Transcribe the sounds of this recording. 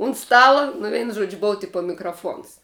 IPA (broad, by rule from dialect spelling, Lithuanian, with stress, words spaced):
ʊnt ˈstɑːlˠɐ nʊ ˈʋʲɛɪnʊ ˈʒuɔd͡ʒʲʊ ˈboːʋɐ ˈtʲɪpɐ mʲɪkrɐˈfoːns